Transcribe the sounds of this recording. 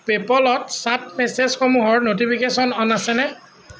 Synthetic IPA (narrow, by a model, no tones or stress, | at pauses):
pepɔlɔtsat̚mɛsezxomuɦɔɹnotipʰikesɔnɔnasɛnɛ